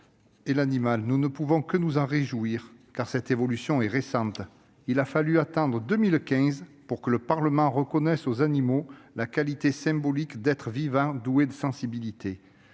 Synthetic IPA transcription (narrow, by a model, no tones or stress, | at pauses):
elanimalnunəpuvɔ̃kənuzɑ̃ʁeʒuiʁkaʁsɛt̪evɔlysjɔ̃ɛʁesɑ̃t̪ | ilafalyat̪ɑ̃d̪ʁəd̪əmilkʲɛ̃zpuʁkələpaʁləmɑ̃ʁəkɔnɛsozanimolakalit̪esɛ̃bɔlikd̪ɛt̪χəvivɑ̃d̪ued̪əsɑ̃sibilit̪ʰe